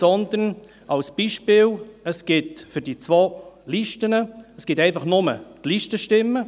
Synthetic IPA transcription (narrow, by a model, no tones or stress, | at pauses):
sɔnd̪ən | ʔɑlsb̥iːʃpɪːləsɡ̥ɪtfʏɾd̥it͡sʋoːliʃtənəəsɡ̥ɪtɛɪfɑχnʊmə̰tliʃtəʃtɪmːə